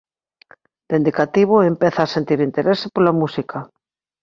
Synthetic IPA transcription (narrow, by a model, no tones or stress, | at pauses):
d̪̥end̪ikat̪iβ̞oempeθaːsent̪iɾint̪eɾesepolamusikʰa